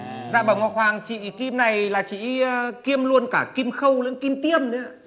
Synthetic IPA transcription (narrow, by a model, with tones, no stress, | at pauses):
zaː˧˩ɓə˨˧˩wŋ͡mŋɔ˧˩nhwaː˨˩ŋt͡ɕḭ˧˨ki˧mna˨˩jlaː˨˩t͡ɕḭ˧˨˧ki˧əmlu˧ənkaː˧˩ki˧mxə˧wlɨ̰˧˥˦ŋki˧mt̪i˧əmnɨ̰˧˥ə